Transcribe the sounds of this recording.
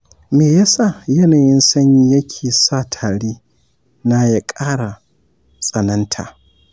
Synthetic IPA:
meː˨ja˦sa˦˨jɐ˦naː˨jɪ˦nsɐ˦ɲi˦jɐ˦kʲʰeː˨saː˦˨tʰaː˨ɽeː˦ | na˦ja˦kʼaː˦ɽa˨ | sʼɐ˨nɐ˦ntʰa̰ː˨

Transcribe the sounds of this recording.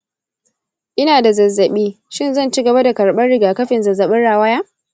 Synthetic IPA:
ʔɪ˦naː˨da˨zɐ˨zːɐ˨ɓiː˦ | ʃɪ˦˨nzɐ˦˨nt͡ʃiː˦ɡɐ˨ba˦da˨kɐ˨ɽɓɐ˦rɽɪ˨ɡaː˨kɐ˦ɸɪ˨nzɐ˨zːɐ˨ɓɪ˦nɽaː˨wɐ˦jaː˦

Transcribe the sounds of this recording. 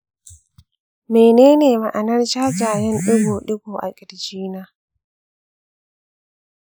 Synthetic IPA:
meː˨neː˦neː˨ma˨ʔa˨nɐ˦rt͡ʃaː˦d͡ʒaː˨jɛ˦nɗʊ˦ɡoː˨ɗʊ˦ɡoː˨ʔa̰˨kʲʼɪ˨ɽd͡ʒiː˦naː˦

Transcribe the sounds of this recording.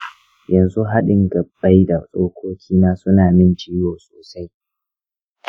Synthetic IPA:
jɐ˨nzu˦ɦa˦ɗɪ˨ŋɡɐ˨bːa˦jda˨sʼoː˦kʷʰoː˦kʲʰiː˦maː˦sʊ˦naː˨mɪ˦nt͡ʃiː˦joː˨soː˨sa˦j

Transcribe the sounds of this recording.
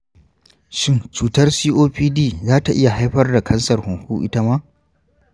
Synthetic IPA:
ʃɪ˦nt͡ʃuː˨tɐ˦rsiː˦ʔoː˦ɸiː˦diː˦˨zaː˦ta˨ʔɪ˦ja˨ɦa˦jɸɐ˦rda˨kʰɐ˦nsɐ˨rhʊ˨ŋhuː˦ʔɪ̰˦ta˦maː˦ʔ

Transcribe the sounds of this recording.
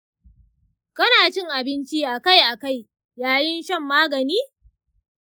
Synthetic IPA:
kɐ˦naː˨t͡ʃɪ˦˨ŋʔa˨bɪ˦nt͡ʃi˦ʔa˨ka˦jʔa˨ka˦˨j | jaː˨jɪ˦nʃɐ˦mːaː˦ɡɐ˨niː˦

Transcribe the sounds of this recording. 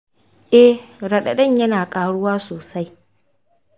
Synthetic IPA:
ʔɛ˦hɽɐ˨ɗɐ˨ɗɐ˦˨ɲjɐ˦naː˨kʼaː˨ɽʊ˦waː˦soː˨sa˦j

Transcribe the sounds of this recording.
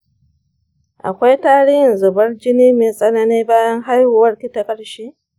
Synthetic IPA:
ʔa̰˨kʷa˦jtaː˦ɽɪ˦jɪ˨nzʊ˨bɐ˦rd͡ʒɪ˦niː˦meː˨sʼɐ˦na˦neː˦baː˦jɐ˦ŋɦa˦jhʊ˨wɐ˦rkʲɪ˦ta˨kʼɐ˨ɽʃeː˦

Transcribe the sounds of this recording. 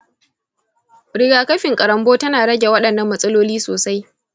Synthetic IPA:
ɾɪ˨ɡaː˨kɐ˦ɸɪ˨ŋkʼɐ˨ɾɐ˨mboː˦tɐ˦naː˨ɽɐ˦ɡʲe˨wɐ˦ɗɐ˨nːɐ˨mːɐ˦sʼɐ˦loː˦liː˦soː˨sa˦j

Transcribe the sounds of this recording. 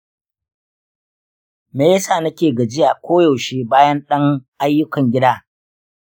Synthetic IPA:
meː˨jɐ˦saː˨nɐ˦kʲeː˨ɡɐ˨d͡ʒɪ˦jaː˨kʷʰoː˦jo˨ʃeː˦baː˦jɐ˦nɗɐ˦ŋʔa˦jːʊ˦kɐ˨ŋɡʲɪ˦daː˦

